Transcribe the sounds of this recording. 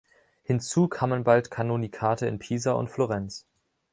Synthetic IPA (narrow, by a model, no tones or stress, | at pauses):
hɪnt͡suːkʰaːmənbaltkʰanonikʰaːtəɪ̰npʰiːzaʔʊ̰ntfloʁɛnt͡s